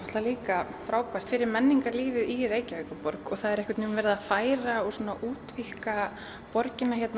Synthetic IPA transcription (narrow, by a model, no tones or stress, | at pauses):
ɔht̪laliːkafɾaːwpar̥t̪fɪɾɪɾmɛnːiŋkaɾliːvɪðireːjcaɛkʏpɔɾkɔɣθaðɛɾɛhkvɪt̪nuːnvɛɾðaafaːjɾaɔɣsuːnaʔuːt̪vihka | pɔɾcɪnːaçɛt̪n